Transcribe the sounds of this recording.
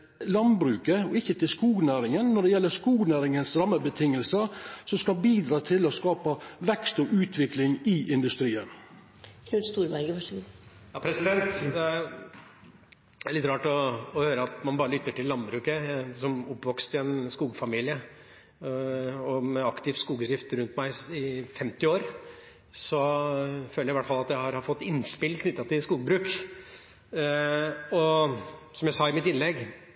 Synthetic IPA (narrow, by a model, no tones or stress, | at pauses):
lɑnbɾʉːkəɔɪçːət̪ʰɪlskuːɡnæːɾɪŋənːɔɖɛjɛlːəskuːɡnæːɾɪŋənsɾɑmːəbət̪ʰɪŋːəlsəsɔmskɑbiːd̪ɾɑːt̪ʰɪlɔskɑːpəʋɛkst̪ɔʔʉːt̪ʰʋɪklɪŋɪʔɪnd̪ʉst̪ɾiːən | kʰnʉːnst̪uːɾbæɾɡəʋɑʂ | jɑːpʰɾɛsɪd̪ɛnt̪d̪ɛ | æɭɪt̪ɾɑːʈɔːhøːɾəɑt̪mɑnbɑːɾəlʏt̪ːəʈɪlːɑnbɾʉːkəsɔmʊpːʋɔkst̪ɪɛnskuːɡfɑmiːlɪə | ɔmɛɑkt̪ɪʋskuːɡd̪ɾɪft̪ɾʉnt̪mæɪɪfɛmt̪ɪoːɾ | sɔføːləjæɪʋæʈːfɑlːɑt̪jæɪhɑɾhɑɾfɔt̪ːɪnspɪlkʰnʏt̪ːɑt̪ɪlskuːɡbɾʉːk | ɔ | sɔmjæɪsɑːɪmɪt̪ɪnlɛɡ